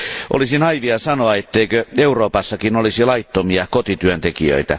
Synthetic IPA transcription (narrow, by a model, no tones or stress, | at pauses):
ʔo̰lisinɑjʋiɑsɑnoɑet̪ːeikøeuroːpɑsːɑkinolisilɑit̪ːomiɑkot̪it̪yønt̪ekḭø̰it̪æ̰